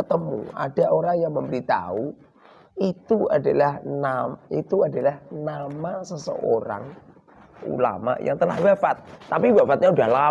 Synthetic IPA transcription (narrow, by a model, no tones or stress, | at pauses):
t̪əmṵa̰daʔoɾaŋjaŋməmbəɾit̪a̰u | it̪ua̰dalahnait̪uadalahnamasəsə̰ʔoɾa̰ŋ | ṵla̰ma̰ja̰ŋt̪əla̰hwafat̪̚ːapiwafat̪̚ɲaudahla